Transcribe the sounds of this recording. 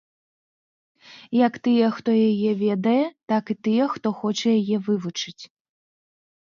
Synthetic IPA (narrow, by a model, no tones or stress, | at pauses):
jɐkt̪ɨjɛxt̪ɔjajɛvʲɛd̪ɐjɛt̪akit̪ɨjɛxt̪ɔxɔt͡ʂɐjajɛvɨvut͡ʂɨt͡sʲ